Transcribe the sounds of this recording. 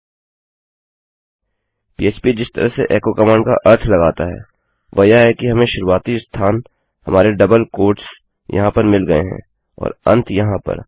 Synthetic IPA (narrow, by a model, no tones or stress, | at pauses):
piːeːt͡ʃpid͡ʒɪst̪ə̰ɾəɦsḛʔɛːkokɐmãːɳɖka̰ʔɐɾt̪ʰlɐɡaːt̪aɦɛ̰ː | ʋɐjaɦɛkiɦɐmẽʃʊɾuaːt̪ist̪ʰaːn | hɐmaːɾeɖɐbəlkoːʈs | jɐ̰ɦãpɐɾmɪlɡɐḛɦɛ̰̃ | ɔ̰ːɾɐ̰̃nt̪ʰjɐɦãpɐ̰ɾ